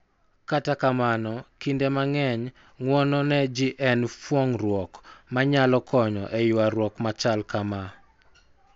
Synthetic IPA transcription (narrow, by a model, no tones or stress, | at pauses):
katakamanɔkindemaŋɛɲ | ŋwɔnɔnɛd͡ʒiʔɛnpwɔŋrwɔkmaɲalɔkɔɲɔ̰ʔɛjʊaɾwɔkmat͡ʃalkama